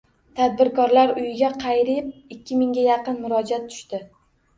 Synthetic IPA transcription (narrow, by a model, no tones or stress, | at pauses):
t̪ʰad̪̚bɪɾkʰɒɾlaɾʊjɪɡʲaqʰɑjɾɪp̚ɪkʲːɪmɪŋɡʲajɑqɨnmʊɾɒd͡ʒat̪ʰːʊ̥ʃt̪ɪ